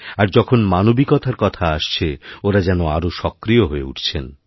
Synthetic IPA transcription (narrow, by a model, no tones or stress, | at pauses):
aɾd͡ʑɔkʰonmanobikɔt̪ʰaɾkɔt̪ʰaaʃt͡ɕʰeoɾad͡ʑɛnoaɾoʃɔkːɾijoɦoeṵʈʰt͡ɕʰen